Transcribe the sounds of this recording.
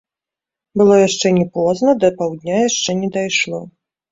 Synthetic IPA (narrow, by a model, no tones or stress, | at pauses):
bɨlˠɔjaʂt͡ʂɛnʲɛpɔznɐd̪ɐpawd̪ʲnʲajaʂt͡ʂɛnʲɛd̪ajʂlˠɔ̰